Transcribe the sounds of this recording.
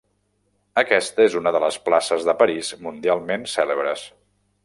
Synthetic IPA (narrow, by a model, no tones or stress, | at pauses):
əkɛst̪əezunəðələsplasəzðəpəɾizmund̪ialˠmensɛləβɾəs